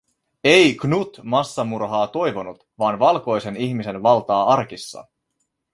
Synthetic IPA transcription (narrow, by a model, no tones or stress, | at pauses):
ejɡnut̪mɑsːɑmurɦɑːt̪o̞jʋo̞nut̪ʋɑːnʋɑlko̞jse̞niçmise̞nʋɑlt̪ɑːɑrk̟isːɑ̰